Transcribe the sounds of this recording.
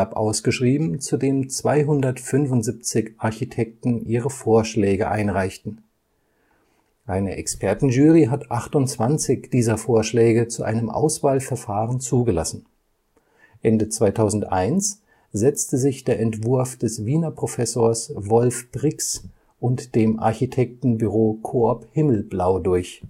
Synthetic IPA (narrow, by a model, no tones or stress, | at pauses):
apʔa̰ʊsɡ̥əʃʁ̥iːbm̩t͡sudeːmt͡sv̥aɪɦʊndɐtfʏnvʊntz̥ip̚t͡sɪçʔaɐçitʰɛk̚tn̩ʔiːʁəfoːɐʃlɛːɡəʔa̰ɪnʁaɪçtn̩ | ʔaɪnə̰ʔɛkspʰɛɐtn̩ʒyːʁiɦatʔaχtʊnt͡sv̥ant͡sɪçd̥iːzɐfoːɐʃlɛːɡət͡suʔa̰ɪnəmʔa̰ʊsv̥aːlfɛɐfaːʁənt͡suːɡəla̰sn̩ | ʔɛndət͡sv̥aɪtʰaʊzn̩tʔa̰ɪns | z̥ɛt͡stəzɪçd̥eːɐʔɛntv̥ʊɐfd̥ɛsviːnɐpʁ̥ofɛsoːɐsvɔlfb̥ʁɪks | ʔʊntd̥eːmʔa̰ɐçitʰɛk̚tn̩byʁoːkʰʊɐphɪml̩blaʊdʊɐç